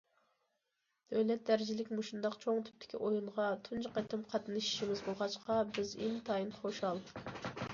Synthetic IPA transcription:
øjlɛt̪̚d̪æɾɪd͡ʒilɪkʲmuʃund̪ɑqt͡ʃʰoŋt̪ʰy̥p̚t̪ʰɪ̥kʲʰiʔojuɴʁɑt̪ʰund͡ʒɑqət̪ɪmqʰɑt̪ɨnɨʃi̥ʃimɪzbolˠʁɑt͡ʃqɑbɪzint̪ʰɑjinχoʃɑlˠ

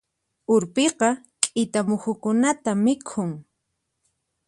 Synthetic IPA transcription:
ʊɾpeqɑ | kʼɪt̪amʊxʊkʊnat̪amɪkʰʊŋ

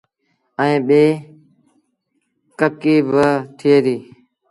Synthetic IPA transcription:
əĩːɓeː | kəkiːbət̪ʰieːɾiː

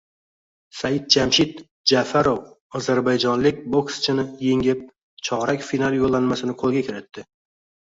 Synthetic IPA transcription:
sajɪd̪̚d͡ʒamʃɪt̪ | d͡ʒafaɾow | ɒzaɾbajd͡ʒɒnlɪkʲbokst͡ʃʰɪnɪjeŋɪp̚ | t͡ʃʰɒʁɾakʲfinalˠjolːanmasɪnɪqʰolˠɡʲakʲʰɪɾɪt̪ːɪ

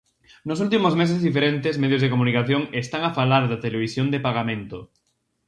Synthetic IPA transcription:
nosult̪imozmes̬ezðifeɾent̪ezmeðjozð̞ekomunikaθjoŋest̪aŋafalaɾðɐt̪eleβ̞isjond̪epaɣamẽnt̪o

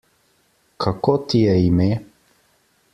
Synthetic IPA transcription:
kʰakot̪ʰiəime

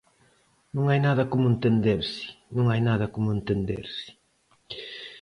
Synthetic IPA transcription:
nũŋajnaðɐkomʊẽnt̪end̪eɾsɪ̥nũŋajnaðɐkomʊẽnt̪end̪ḛɾsɪ̥

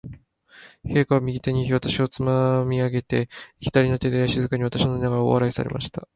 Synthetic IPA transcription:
he̞ːkaβamʲiɡʲit̪e̞ɲ̟iβat̪aɕio̞t͡sɨmamʲiaɡe̞t̪e̞çʲi̥d̪aɾʲino̞t̪e̞d̪ejaɕizɨkaɲ̟iβat̪ḁɕino̞ɲinaɡaɾao̰a̰ɾaisa̰ɾe̞̰mʔa̰ɕi̥t̪a

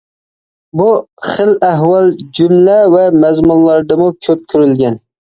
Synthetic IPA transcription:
buχəlæɦwɑlˠd͡ʒumlɛvɛmɛzmunlːˠɑɾd̪ɨmukʲʰøp̚t̪ʰyɾylɡʲɛn

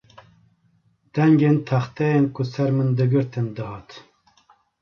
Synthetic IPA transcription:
d̪̥ɛŋɡent̪ʰɑxt̪ɛjenkʊsɛɾmɨnd̪ɨɡɨɾt̪ʰɨnd̪ɨɦɑːt̪

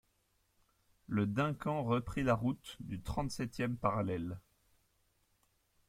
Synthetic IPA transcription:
ləd̪ɛ̃kɑ̃ʁəpχilaʁut̪d̪yt̪χɑ̃t̪sɛt̪jɛmpaʁalɛl

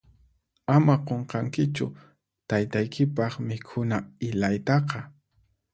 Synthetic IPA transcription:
amaqoɴqɑŋkɪt͡ʃʊ̰ | t̪ajt̪ajkʰɪpɑχmɪkʰʊnaɪlajt̪ɑqɑ

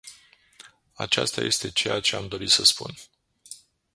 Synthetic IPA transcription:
a̰t͡ʃa̰st̪aje̞st̪e̞t͡ʃe̞jat͡ʃe̞amd̪o̞ɾit̪səspṵn

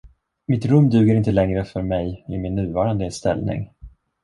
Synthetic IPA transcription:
mɪt̪ɾɵmːd̪ʉ̟ːɡəɾɪnt̪əlɛŋɾəfœɾmɛjɪmɪnːʉ̟ːvɑːɾand̪əst̪ɛ̰lnɪ̰ŋ

